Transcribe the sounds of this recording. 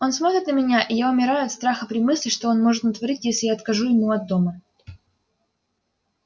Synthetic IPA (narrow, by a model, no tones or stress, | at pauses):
o̞nsmo̞t̪ɾʲɪt̪nəmʲɪnʲaʔɪjaʊmʲɪɾajʊɐt̪st̪ɾaxəpɾʲɪmɨsʲlʲɪʂt̪o̞o̞nmo̞ʐɨt̪nət̪vɐɾʲitʲjesʲlʲɪjaɐt̪kɐʐuɪmuɐd̪ːo̞mə